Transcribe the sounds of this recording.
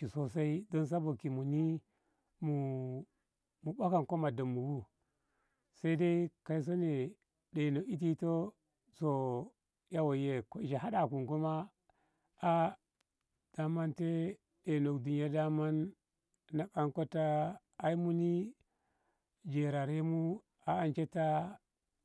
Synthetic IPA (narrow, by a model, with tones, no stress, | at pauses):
i˨so˦s̬a˦i˦do˦ns̬a˦bo˨ki˨mu˨ni˦ | mu˨ | mu˨ba˦ka˨nko˦ma˨da˨mːu˨wu˦ | sa˦i˦da˦i˦ka˦i˦s̬o˦ne˨ | ɗe˨no˨ki˦t̬i˦to˦ | so˨ | ja˦wo˨je˦ko˦i˨ʃe˨ɦa˦da˨ku˨ŋɡo˦ma˦ | a˦ | d̥a˦ma˦nte˦ | ɗe˨no˨kdu˨ɲja˦da˦ma˦nː | a˨ka˦ŋko˦taː˦ | i˦mu˦ni˦ | d͡ʒe˨ɾa˨ɾe˦mu˦ | a˨a˦nt͡ʃe˦ta˦